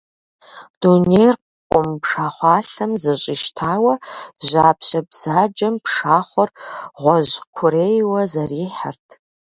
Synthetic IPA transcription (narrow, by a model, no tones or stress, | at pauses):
d̥unejrq | qʷʼʊmpʂaːχʷɑːɬɐmzɐɕʼɪʃtʰaːwɐʑaːpʰɕɐbz̥aːd͡ʒɐmpʂaːχʷɔrʁʷɔʑkʷʰʊɾeːjwɐzɐriːħa̰rtʰ